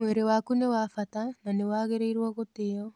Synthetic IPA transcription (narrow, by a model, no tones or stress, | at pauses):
mweɾewaːkunewafatananewaːɣeɾeiɾwɔɣoteɔ